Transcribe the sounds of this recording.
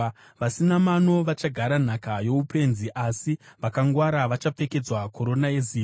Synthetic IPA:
ʋasinamano̞ʋat͡ʃaɡʱaɾan̤akajo̞upe̞nziʔasiʋakaŋɡwaɾaʋat͡ʃap͡fe̞ke̞d͡zwakʰo̞ɾo̞nae̞zi

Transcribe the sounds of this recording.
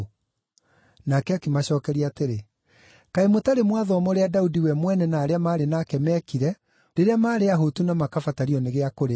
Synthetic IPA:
nakɛakimaɕɔːkɛɾiaːteɾe | kaemotaɾemwaðɔːmɔɾeadaudiwɛmwɛnɛnaːɾeamaːɾenakɛmɛkiɾɛ | ɾeɾeamaːɾeaɦotunamakafataɾiɔneɣeakoɾe

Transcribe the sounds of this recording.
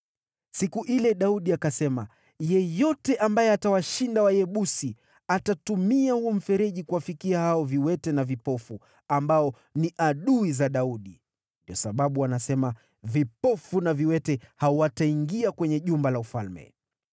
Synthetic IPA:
sikuʔilɛɗauɗiakasɛma | jɛjɔtɛʔambajɛatawaʃindawajɛɓusi | atatumiahuɔm̩fɛɾɛʄikuwafikiahaɔviwɛtɛnavipɔfu | ambaɔ | niʔaɗuizaɗauɗi | ndiɔsaɓaɓuanasɛma | vipɔfunaviwɛtɛhaɔwataiŋɡiakwɛɲɛʄumbalaufalmɛ̰

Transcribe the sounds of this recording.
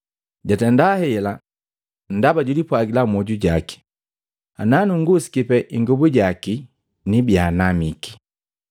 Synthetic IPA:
ɟatɛndahɛla | n̩dabaɟudipwaɡilamɔɟuɟaki̥ | ananuŋɡusi̥kipɛʔiŋɡubuɟaki | nibjanamiki̥

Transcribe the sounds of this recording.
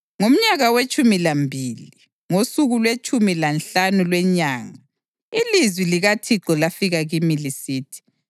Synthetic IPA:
ŋom̩ɲaɣawet͡ʃʼumilambʱiːli | ŋosuɣulwet͡ʃʰʼumilanɬanulwɛɲaːŋa | ilizwiliɣatʰiǃɔlafiɣaɣimilisiːtʰi̥

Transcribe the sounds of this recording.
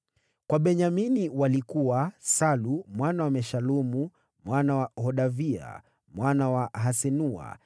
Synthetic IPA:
kwaɓɛɲaminiwalikuwasalumwanawamɛʃalumu | mwanawahɔɗavia̰ | mwanawaɦasɛnua̰

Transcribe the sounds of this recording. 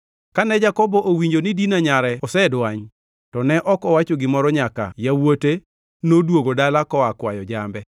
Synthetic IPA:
kanɛd͡ʒakɔbɔʔowiɲd͡ʒonɪdinaɲaɾɛɔsɛdwaɲ | tɔnɛʔɔkɔwat͡ʃoɡɪmɔɾɔɲaka̰jawote | nodwoɡodalakɔakwajɔd͡ʒambɛ

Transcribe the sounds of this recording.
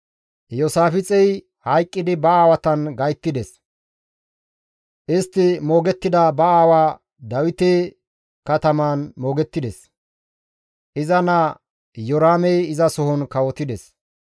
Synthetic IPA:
jɔsaːfɪt͡sʼɛj | hɐjkʼːɪd̪ɪbɐaːwɐt̪ɐnɡɐjt̪ːɪd̪ɛs | ʔɪst̪ːɪmoːɡɛt̪ːɪd̪ɐbɐaːwaː | d̪ɐwɪt̪eː | kɐt̪ɐmaːnmo̞ːɡɛt̪ːɪd̪ɛs | ʔɪzɐnɐ | jɔɾaːmɛjɪzɐsɔɦɔnkɐwɔt̪ɪd̪ɛs

